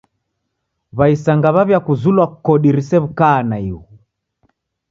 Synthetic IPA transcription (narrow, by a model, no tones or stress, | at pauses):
βaisaŋɡaβaβjakuzulwakɔɗiɾisɛβukaːnaiu